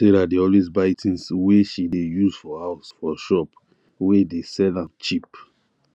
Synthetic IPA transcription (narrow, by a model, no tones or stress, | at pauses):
seɾadiɔles̬baɪtĩnsweʃidejuzfɔhaʊsfɔʃɔp | wedesɛlãmt͡ʃip